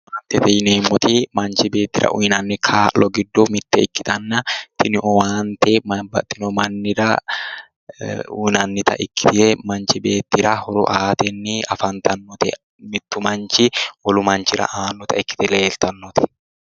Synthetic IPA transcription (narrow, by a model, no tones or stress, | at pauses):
waːnt̪ɛt̪ɛjneːmːɔt̪imɐnt͡ʃɪbe̞ːt̪ːɪɾɐ̰ʔʊjnɐnːɪkʰaːlɔɡɪd̪ːɔmɪt̪ːɛɪkːɪ̥t̪ɐnːɐt̪ɪnʔɔwaːnt̪ɛbɐt̪ɪnɔmɐnːɪɾɐ | ṵnɐnːɪt̪ɐ̰ʔɪkːɪt̪ɪɛmɐnt͡ʃɪbeːt̪ːɪɾɐhɔɾʊ̰ʔaːt̪ɛnːɪɐ̰fɐnt̪ɐnːɔt̪ɛ̰ | mɪt̪ːʊmɐnt͡ʃɪwɔlʊmɐnt͡ʃɪɾɐ̰ʔaːnːɔt̪ɐɪkːɪ̥t̪ɪleːlt̪ɐnːɔt̪ɪ̥